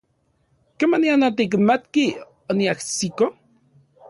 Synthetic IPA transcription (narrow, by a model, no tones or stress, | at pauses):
kemanianat̪̬ik̬mat̪ki | oniaksiko